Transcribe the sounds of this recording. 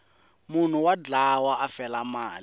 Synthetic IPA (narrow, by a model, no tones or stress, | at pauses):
mun̤uwad͡ɮawaafɛlamaːli